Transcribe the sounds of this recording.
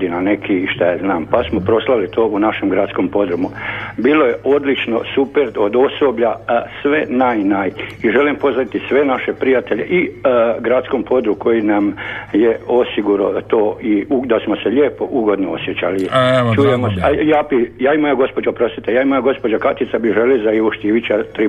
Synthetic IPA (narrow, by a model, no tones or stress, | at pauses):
d̪inane̞kʰiːʃt̪ajaznaːmpasmopɾo̞slˠaʋilit̪ʰo̞ːunaʃemɡɾad̪skompo̞d̪ɾumubiːlojeʔo̞d̪lit͡ʃno̞̰supeɾod̪o̞so̞bʎasʋe̞najnajiʒe̞limpo̞zait̪isʋe̞naʃepɾijat̪eʎḛʔiɡɾat̪sko̞mpʰo̞d̪ɾuko̞jinamjeo̞siɡuɾot̪oːiud̪asmoseʎeːpo̞ʔuɡo̞d̪noo̞sjet͡ɕa̰lit͡ʃujemosejaːbijaːimojaɡo̞spod͡ʒaopɾo̞st̪it̪ejaːimojaɡo̞spo̞d͡ʒakat̪it̪sabiʒelizaiʋoʃt̪iʋit͡ʃat̪ɾi